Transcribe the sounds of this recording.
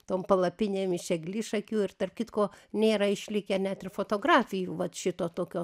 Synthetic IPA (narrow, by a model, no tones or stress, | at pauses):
t̪oːmpɐlˠɐpʲɪnʲeːmɪʃʲɛɡlʲɪʃɐkʲuːɪrt̪ɐrp̚kʲɪt̪koːnʲeːɾɐɪʃʲlʲɪkʲɛnʲæt̪ɪrfoːt̪oːɡɾɑːfʲɪjuːʋɐt̪ʃʲɪt̪oːt̪oːkʲoː